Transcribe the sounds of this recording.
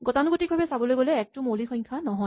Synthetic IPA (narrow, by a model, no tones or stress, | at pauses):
ɡɔtanuɡotik̚bʱabɛsabɔlojɡɔlɛːk̚tʊmolixɔjŋkʰanɔɦɔj